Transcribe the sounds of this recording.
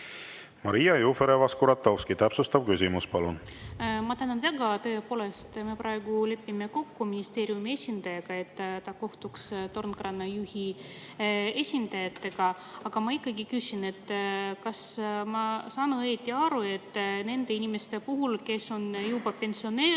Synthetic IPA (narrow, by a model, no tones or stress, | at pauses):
mɑɾijɑjufeɾevɑskuɾɑt̪ːɑwskit̪æpsust̪ɑvkysimuspɑlun | mɑt̪ænːonvæɡɑt̪ɤ̞epo̞ːle̞st̪mepɾɑe̞ɡule̞pːime̞ko̞kːuminist̪e̞ːɾjumie̞sʲind̪̥ɑjɑɡ̥ɑe̞t̪ːɑko̞ht̪ukst̪o̞rnkrɑnːɑjuhi | e̞sʲind̪̥ɑjɑt̪ːe̞ɡ̥ɑ | ɑɡ̥ɑmɑikːˑɑɡikysʲine̞t̪ːkɑsmɑsɑːnuet̪ʲːˑiɑɾue̞t̪ːne̞nd̪̥e̞inime̞st̪e̞puɦulke̞so̞njubɑpe̞nsio̞neː